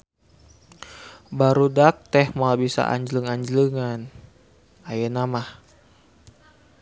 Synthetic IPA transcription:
baɾudak̚t̪ɛhmalbisa̰ʔa̰ɲd͡ʒləŋaɲd͡ʒləŋan | ajenamah

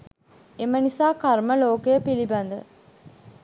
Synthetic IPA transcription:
emənisaːkaɾməloːkəjəpilibɐnd̪ə

